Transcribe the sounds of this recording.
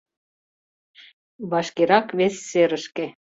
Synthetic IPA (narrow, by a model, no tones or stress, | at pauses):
βɑʃkeɾɑkβesːeɾə̆ʃke